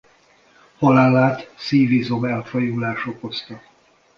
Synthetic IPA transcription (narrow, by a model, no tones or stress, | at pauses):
hɒlaːlaːt̪siːvizo̞mɛlfɒjulaːʃo̞ko̞st̪ɒ